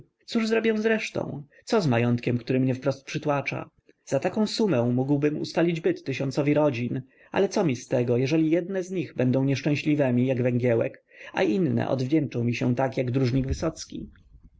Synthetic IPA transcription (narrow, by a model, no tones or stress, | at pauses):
t̪suʐzɾɔbʲjɛ̃w̃zɾɛʂt̪ɔ̰̃w̪̃ | sɔzmajɔnt̪kʲɛmkt̪uɾɘmɲɛfpɾɔst̪̚pʂɘt̪wat͡ʂa̰ | z̥at̪akɔ̃w̃sumɛ̃w̃muɡwbɘmṵst̪alʲid͡ʑbɘt̪ːɘɕɔnsɔvʲiɾɔd͡ʑin | ʔa̰lɛt̪sɔmʲist̪ɛɡɔjɛʐɛlʲijɛd̪nɛzɲiɣbɛnd̪ɔ̃w̃ɲɛʂt͡ʂɛ̃w̃ɕlʲivɛmʲijaɡvɛŋɡʲjɛwɛ̰k | a̰ʔinːɛ̰ʔɔ̰d̪vd͡ʑɛnt͡ʂɔ̃w̃mʲiɕɛ̃t̪akjaɡd̪ɾuʐɲiɡvɘsɔt̪skʲḭ